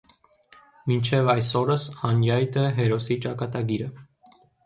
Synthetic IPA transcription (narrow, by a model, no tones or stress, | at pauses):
mint͡ʃʰɛvɑjsɔɾəshɑnjɑjt̪ɛɦɛɾɔsit͡ʃɑkɑt̪ɑɡiɾə